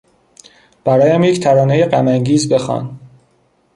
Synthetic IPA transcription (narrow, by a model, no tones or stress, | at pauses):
b̥æɾɒːjæmject̪ʰæɾɒːnejeɢæmæŋɟiːzbe̞xɒ̰ːn